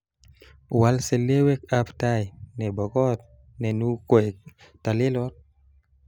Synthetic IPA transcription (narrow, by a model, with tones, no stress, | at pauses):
wa˨lse˨le˦we˦k̚aptajnɛ˨bɔ˨kɔ˦t̪̚ | nɛ˨nu˦kɔ˨j | ta˨le˦lɔ˦t̚